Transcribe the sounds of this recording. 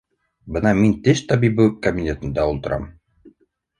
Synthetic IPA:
bɤnɑmint̪ɘʃt̪ɑbibɘkɐbʲinʲet̪ɤ̆nd̪ɑulˠt̪ɤ̆ɾɑ̰m

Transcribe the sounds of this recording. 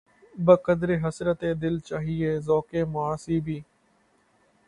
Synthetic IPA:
bəkəd̪ɾeːɦəsɾət̪eːd̪ɪlt͡ʃaːɦieːzɔːkeːmʊaːsiːbʱiː

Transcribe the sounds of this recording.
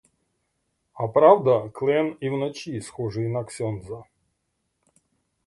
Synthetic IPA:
ɐpɾavd̪ɐklˠɛnivnɐt͡ɕisxɔʐɨjnɐksʲɔnzɐ

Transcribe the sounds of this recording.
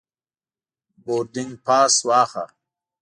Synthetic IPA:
boːtiŋɡpʰaːswaːxa̰

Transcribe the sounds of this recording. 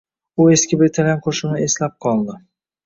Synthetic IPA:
ʊe̞skʲɪbɪɾt̪ʰalʲamqʰoʃɪmnɪe̞slap̚qʰɒlˠd̪ɪ

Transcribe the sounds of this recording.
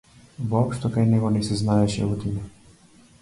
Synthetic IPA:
vɔɔpʃt̪ɔkajnɛɡɔnɛsɛznaɛʃɛ̰ut̪ina

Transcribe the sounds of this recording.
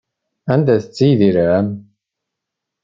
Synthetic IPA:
ænd̪æθət͡sːijðiɾæm

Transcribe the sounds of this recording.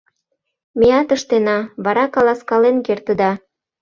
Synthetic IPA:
meɑt̪əʃt̪enɑβɑɾɑkɑlɑskɑlenkert̪ə̆d̪ɑ

